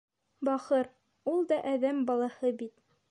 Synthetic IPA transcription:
bɑχɤɾ | ulˠd̪ɑʔæðæmbɑlˠɑhɤbit̪

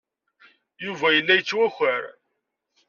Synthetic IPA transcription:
juvæjəlːæjət͡sːwæxʷəɾ

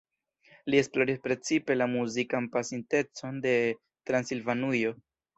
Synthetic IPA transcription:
lie̞splo̞ɾispɾe̞t͡sipe̞lamuzikanpasinte̞t͡so̞nde̞ | tɾansilvanujo̞

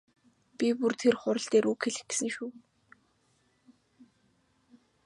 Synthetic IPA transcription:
pʲipurt̪ʰerχʊɾə̆ɬt̪eːɾʔuːkxeɮɘ̆xɡesɘ̆ŋʃuː

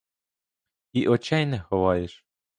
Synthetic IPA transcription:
iʔɔt͡ʃɛjnɛxɔʋɑjeʃ

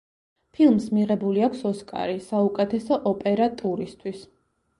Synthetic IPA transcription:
pʰilˠmsmiʁɛbuliakʰsɔskʼa̰ɾisaukʼɛt̪ʰɛsɔʔɔpʼɛɾat̪ʼuɾist̪ʰwis

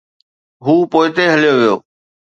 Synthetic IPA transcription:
ɦuːpoːɪt̪eɦəljoːʋɪjo̰ː

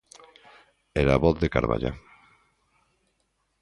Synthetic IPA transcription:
ɛɾaβoθðekaɾβa̰ʎa̰

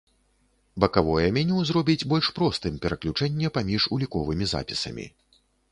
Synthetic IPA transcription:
bɐkavɔjɛmʲɛnʲɛwzrɔbʲid͡zʲbɔlʲʂpɾɔst̪ɨmpʲɛɾɐklʲut͡ʂɛnʲːɛpamʲiʂulʲikɔvɨmʲiza̰pʲisɐ̰mʲḭ

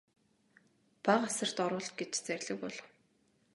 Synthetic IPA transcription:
paɢasə̆r̥t̪ɔɾʊːɮt̪̚ɡet͡ɕt͡særʲɮə̆k̚pɔɮɞ̆w

